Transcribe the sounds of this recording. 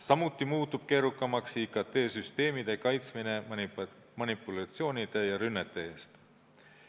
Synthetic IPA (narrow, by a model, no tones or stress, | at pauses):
sɑmut̪ːˑimuːt̪ːub̥ke̞ːɾukˑːɑmɑksikɑt̪e̞ːsyst̪e̞ːmid̪̥e̞kɑjt̪smine̞ | mɑnipːˑulɑt̪sio̞ːnid̪̥e̞jɑɾynːet̪ˑːee̞ːst̪